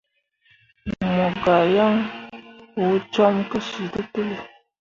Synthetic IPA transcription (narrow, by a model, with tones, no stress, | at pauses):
mɔ˨ɡa˨ja˦ŋ | o˨˦t͡ʃɔ˦mkə˦ʃi˨tə˦tə˦li˨